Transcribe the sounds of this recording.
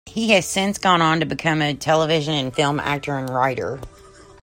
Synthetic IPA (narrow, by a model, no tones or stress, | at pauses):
hiɨz̥sɪ̃nsɡ̥ɔ̃ñn̩tɨbɨkʰʌ̃mɨtʰɛlˠəvɪʒɨ̃nɨ̃nfɪlˠmæ̰k̚tʰə˞ɨ̃nɹaɪɾə̰˞